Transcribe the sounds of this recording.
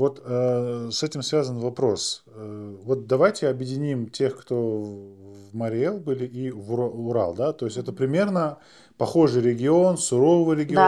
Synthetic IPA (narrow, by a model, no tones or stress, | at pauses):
vo̞t̪əsɛtʲɪmsvʲazənvɐpɾo̞s | əvo̞t̪̚d̪ɐvajtʲɪɐbjɪdʲɪnʲimtʲe̞xkt̪o̞ | vməɾʲɪɛlˠbɨlʲɪʔivʊʊɾa̰lˠd̪at̪o̞jɪsʲɛt̪əpɾʲɪmʲe̞rnə | pɐxo̞ʐɨjɾʲɪɡʲɪo̞nsʊɾo̞vɨjɾʲɪɡʲɪo